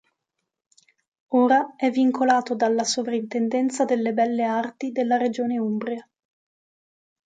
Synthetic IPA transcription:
oːɾaɛvːiŋkʰolaːt̪od̪alːasovɾaint̪ɛnd̪ɛnt̪sad̪elːebɛlːeart̪id̪elːaɾed͡ʒoːneumbɾia

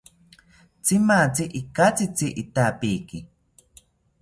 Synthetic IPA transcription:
t͡simat͡siʔikat͡sit͡siʔit̪aːpiki

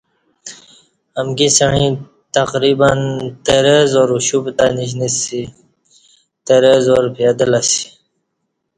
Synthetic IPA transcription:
əmɡisəɳĩ | t̪aqɾibənt̪əɾəzoːɾuɕubt̪aniɕ̬nisi | t̪əɾezoːɾpʰed̪əlasi̥

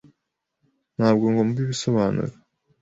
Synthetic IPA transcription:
n̥haːbɡoŋɡomuβiβisoβanɨ̰ɾ

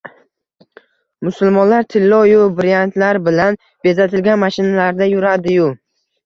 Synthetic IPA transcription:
mʊsʊlˠmɒnlaɾt̪ʰɪlːɒjʊbɾijant̪laɾbɪlan | b̥e̞zat̪ʰɪlɡʲanmaʃɪnalaɾd̪ajʊɾad̪ɪjʊ

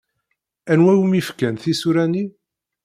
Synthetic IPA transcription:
ænwæjumifkænθisuɾæni

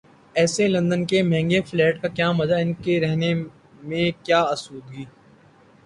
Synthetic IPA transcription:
ɛːselɐ̃nd̪ənkemɛ̃ːŋɡeflɛːʈkakjaːmɐd͡ʒaɪnkeɾɛɦne | mẽkjaːɐsuːd̪̚ɡiː

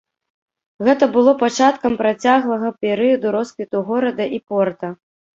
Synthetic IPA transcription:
ɣɛt̪ɐbɨlˠɔpat͡ʂat̪kɐmpɾat͡sʲaɣlˠɐɣɐpʲɛɾɨjɐd̪uɾɔskvʲit̪uɣɔɾɐd̪ɐʔipɔrt̪ɐ

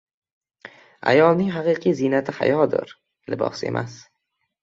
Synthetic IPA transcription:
a̰jɒlˠnɪŋɦɑqɨqʰijzinat̪ʰɪha̰jɒd̪ɪ̰ɾ | lɪbɒ̰se̞̰mʔa̰s

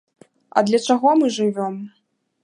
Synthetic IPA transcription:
ɐ̰d̪lʲɐt͡ʂaɣɔmɨʐɨvʲɔm

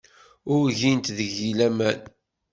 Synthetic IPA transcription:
ʊɾʝint̪ðəʝilæmæn

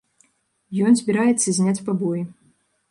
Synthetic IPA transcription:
jɔnzʲbʲiɾajɛt̪sːɐzʲnʲat͡sʲpabɔji

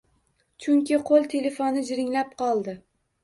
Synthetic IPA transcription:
t͡ʃʰʊŋkʲɪqʰolˠt̪ʰele̞fonɪd͡ʒɪɾɪŋlap̚qʰɒlˠd̪ɪ

